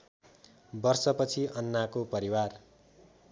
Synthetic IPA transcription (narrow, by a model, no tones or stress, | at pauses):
bʌrsʌpʌt͡sʰiʔʌnːakopʌɾiwar